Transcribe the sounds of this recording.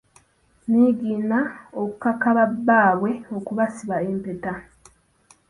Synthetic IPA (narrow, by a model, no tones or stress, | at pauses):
niɡiːnaoku̥kakaβabːaːβwe̞o̞kuβasiβaempe̞ta